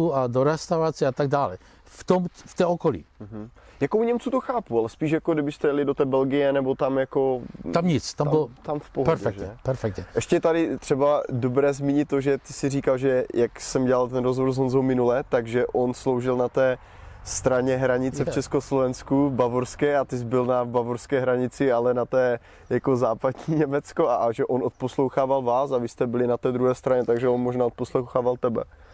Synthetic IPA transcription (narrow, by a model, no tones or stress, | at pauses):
uadoɾɛst̪awɾat͡sɛat̪aɡ̚daːlɛ | ft̪omft̪ɛokolḭːɦ̩jakowɲɛmt͡sut̪oxaːpualɛspiːʃjakodɪbɪst̪ɛjlɪdot̪ɛːbɛlɡɪjɛnɛbot̪amjakoamɲɪt͡st̪amɪlot̪amfpopɛɾfɛkʒɲɛpɛɾfɛk̚t̪ɲɛʔɛʃcɛt̪adɪt̪r̝̥ɛbadobɾɛːzmiːɲɪt̪ːoʒɛt̪ɪsɪriːkalʒɛjaksɛmɟɛlalt̪ɛnɾozɦvoɾzɦonzowmɪnulɛt̪aɡʒɛʔo̞nslowʒɪlnat̪ɛː | st̪ɾaɲɛɦɾaɲɪt͡sɛft͡ʃɛskoslovɛnskuvbavoɾskɛːat̪ɪzbɪlnavbavoɾskɛːɦɾaɲɪt͡sɪalɛnat̪ɛː | jako̞zaːpad̪ɲiːɲɛmɛt͡sko̞aʒɛʔonʔot̪̚poslowxaːvalvaːsavɪst̪ɛbɪlɪnat̪ɛːd̪ɾuɦɛːst̪ɾaɲɛt̪aɡʒɛonmoʒnaːot̪̚poslowxaːvalt̪ɛbɛ̰